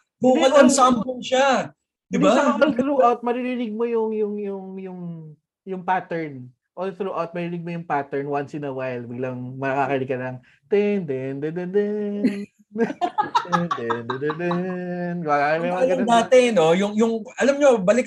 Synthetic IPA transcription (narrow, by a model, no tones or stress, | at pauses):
buːkɐlɐnsampʊnʃa | d̪ɪd̪balt̪ɾuʔawt̪̚mɐɾiɾinɪɡ̚mojʊŋjʊŋjʊŋjʊŋ | jʊŋpat̪ɛɹn | ʔolt̪ɾuːʔawt̪̚mɐɾinɪɡ̚mojʊŋpat̪ɛɹnwansɪnɐwajlbɪɡlɐŋmɐɐkakɐɾɪkɐnɐŋ | t̪ɛnd̪ɛnd̪ɛnd̪ɛd̪ɛ | ɛnd̪ɛnd̪ɛd̪ɛd̪ɛnɡaamɐjaɐɡɐbaːt̪ɛno̞jʊŋjʊŋɐlɐmɲo̞bɐlɪk